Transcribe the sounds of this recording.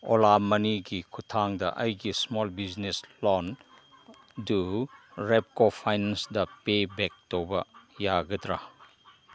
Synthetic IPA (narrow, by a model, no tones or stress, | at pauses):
olamɐniɡikʰutʰaŋdɐ̰ʔɐjɡismɔlbid͡ʒneslɔn | duɾep̚kopʰajnensdɐpebek̚towbɐjaɡɐtɾa